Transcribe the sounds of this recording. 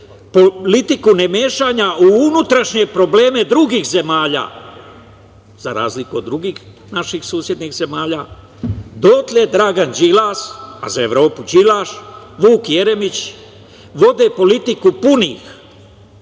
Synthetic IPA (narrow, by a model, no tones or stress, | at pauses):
polit̪ikune̞meːʃaɲauunut̪ɾaʃɲe̞pɾo̞ble̞ːme̞d̪ɾuɡiːxze̞maːʎa̰ː | z̥aɾa̰ːzlikuo̞d̪ɾuɡiːx | naʃixsuːsje̞d̪nixze̞maːʎa | d̪ot̪led̪ɾaːɡand͡ʒilasa̰zae̞ʋɾo̞ːpud͡ʒilaʃʋuːkje̞ɾe̞mit͡ɕ | ʋo̞d̪e̞po̞lit̪ikupuniːx